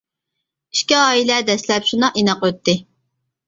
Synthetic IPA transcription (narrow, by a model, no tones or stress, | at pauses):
i̥ʃkʲiɑːilɛd̪ɛslɛpʃunɑʔinɑqøt̪ʰːɪ